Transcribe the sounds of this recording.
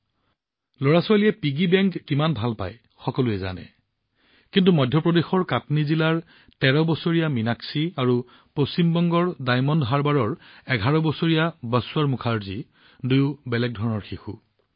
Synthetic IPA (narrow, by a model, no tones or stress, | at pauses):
loɹasʊalijɛpiɡibɛŋkːimanbʱalpa̰j | xɔkɔlʊɛza̰nɛ̰ | kintumɔjdʱjɔpɹɔdexɔɹkatnizilaɹ | tɛɹɔbɔsoɹijaminaksiaɹu | post͡ɕimbɔŋɡɔɹdajmɔndɦaɹbaɹɔɹɛɡʱaɹɔbɔsoɹijabasʊaɹmukʰaɹzi | dujʊbɛlɛk̚dʱɔɹɔnɔɹxixu